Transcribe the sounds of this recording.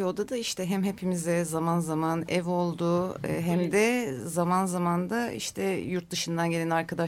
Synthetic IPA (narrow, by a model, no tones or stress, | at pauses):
od̪ad̪aiʃt̪ʰɛɦæmɦepʰimizɛzamanzamanɛvo̞lˠd̪ʊ̰ɦæmd̪ɛzamanzamand̪aḭʃt̪ʰɛjuɾt̪̚d̪ɯʃɯnd̪anɟelʲɛnaɾkad̪a